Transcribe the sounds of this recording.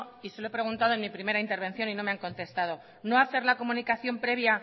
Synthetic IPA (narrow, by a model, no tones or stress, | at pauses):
iseloe̞pɾe̞ɣunt̪aðoenmipɾime̞ɾaint̪eɾβ̞e̞nθjo̞nino̞meaŋkõ̞nt̪e̞st̪að̞o̞ | no̞aθe̞ɾlako̞mũnikaθjo̞mpɾe̞β̞ja